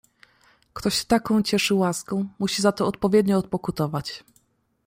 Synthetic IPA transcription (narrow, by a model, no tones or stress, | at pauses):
kt̪ɔɕt̪akɔ̃w̃t͡ɕɛʂɘwaskɔ̃w̃muɕizat̪ɔːt̪̚pɔvʲjɛd̪ɲɔːt̪̚pɔkut̪ɔvat͡ɕ